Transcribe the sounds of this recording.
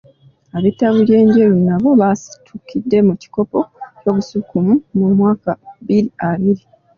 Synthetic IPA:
aβetaβulje̞ːɲɟejunaβo̞βasi̥tʰukidːe̞muci̥ko̞po̞co̞ːβusukumumumwaːkaβiɾiaβiɾi

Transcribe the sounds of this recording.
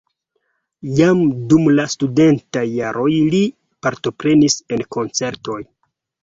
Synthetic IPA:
jamdumlastude̞ntajːaɾo̞jli | paɾto̞pɾe̞nise̞nko̞nt͡se̞ɾto̞j

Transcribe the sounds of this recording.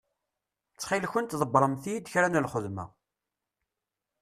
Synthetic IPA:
t͡sːχilçənt̪ðˤəbɾˤəmθijid̪çɾænəlχəðmæ̰

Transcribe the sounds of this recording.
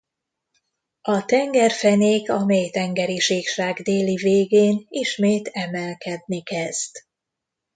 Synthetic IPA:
ɒt̪ɛŋɡɛrfɛneːkɒmejt̪ɛŋɡɛɾiʃeːkʃaːɡd̪eːliveːɡeːniʃmeːt̪ɛmɛlkɛd̪nikɛz̥t̪

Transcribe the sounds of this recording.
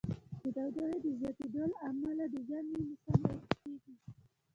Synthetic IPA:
d̪əd̪awd̪aɾed̪əzjɑt̪ed̪olamalad̪əzjɑninisamaɾk̪eɡi

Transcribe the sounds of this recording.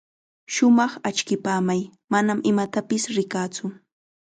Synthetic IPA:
ʃʊmɑχat͡ʃkɪpaːmajmanamɪmat̪apɪsɾɪkaːt͡sʊ

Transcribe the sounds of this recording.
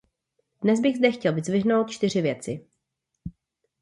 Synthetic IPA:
dnɛzbɪɣzdɛxcɛlvɪzvɪɦnowt̪̚t͡ʃt̪ɪr̝ɪvjɛt͡sɪ

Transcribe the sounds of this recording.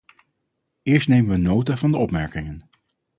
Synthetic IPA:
ɪːɹstnejmənʋənːowtavɑndəɔpmɛɹkɪŋən

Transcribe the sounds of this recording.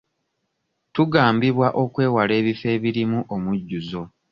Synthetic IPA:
tuɡaːmbiβwaʔo̞kwe̞ːwale̞ːβife̞ːβiɾimuʔomuɟːuzo̞

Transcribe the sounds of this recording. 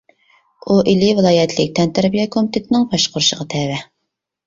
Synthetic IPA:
uʔilivɨlˠɑːjɛt̪ʰlɪk̚ʲt̪ɛnt̪ʰæɾbijɛkʰomit̪ʰet̪ʰɪnɪŋpʰɑʃqʊɾʃəʁɑt̪ʰɛvɛ

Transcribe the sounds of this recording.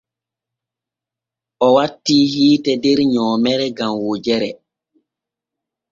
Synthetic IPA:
ʔɔwatːiːhiːtɛdɛɾɲɔːmɛɾɛɡamwod͡ʒɛɾɛ

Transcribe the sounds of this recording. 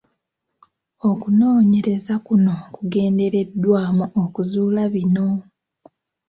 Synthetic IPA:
o̞kuno̞ːɲe̞ɾe̞zakuno̞kuɡe̞ːnde̞ɾe̞dːwaːmuʔokuzuːlaβino̞

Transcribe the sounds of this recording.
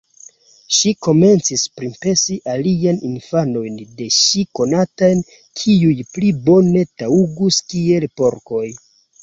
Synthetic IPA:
ʃiko̞me̞nt͡sispɾimpe̞siʔalianinfano̞jnde̞ʃiko̞natajn | kʰiujplibo̞ne̞tauɡuskie̞lpo̞ɾko̞j

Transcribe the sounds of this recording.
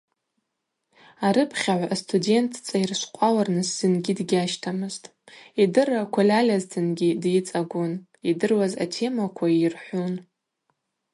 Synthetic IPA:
aɾɨpʰχʲaʕʷastʰudʲe̞ntʰt͡sʼajrʃʷqʷʼawarnɨsːɨnɡʲidɡʲaʃtʰamɨztʼ | idɨrakʷʰalʲalʲaztʰɨnɡʲidjit͡sʼaɡʷun | idɨrwaza̰tʰe̞makʷʰairħʷun

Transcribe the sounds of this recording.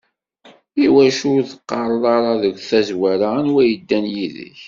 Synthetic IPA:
iwæʃʊɾθqːɑɾˤlɑɾˤɑðəɡʷθæzwæɾanwæjəd̪ːænjiðə̰ç

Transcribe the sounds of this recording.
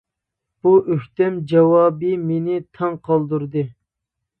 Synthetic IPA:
b̥uʔøht̪ɛmd͡ʒɛwɑːbɨmenɪt̪ʰɑŋqʰɑlˠd̪uɾd̪ɨ

